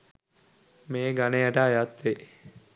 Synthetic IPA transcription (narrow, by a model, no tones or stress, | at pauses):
meːɡanejaʈəajat̪ʋe